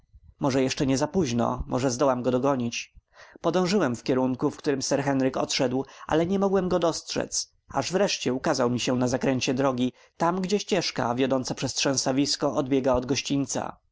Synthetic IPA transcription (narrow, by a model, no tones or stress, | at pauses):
mɔʐɛjɛʂt͡ʂɛɲɛzapuʑnɔ̰mʔɔ̰ʐɛzd̪ɔwamɡɔd̪ɔɡɔɲit͡ɕpɔd̪ɔ̃w̃ʐɘwɛmfkʲɛɾuŋkufkt̪uɾɘmsɛɾxɛnɾɘkɔ̰t̪ʂɛd̪wʔa̰lɛɲɛmɔɡwɛmɡɔd̪ɔstʂɛ̰t̪s | aʐvɾɛʂt͡ɕɛukazawmʲiɕɛnazakɾɛɲt͡ɕɛd̪ɾɔɡʲi | t̪amɡd͡ʑɛɕt͡ɕɛʂka̰vʲjɔd̪ɔnt̪sapʂɛst̪ʂɛ̃w̃savʲiskɔʔɔd̪̚bʲjɛɡaɔd̪ɡɔɕt͡ɕint̪sa̰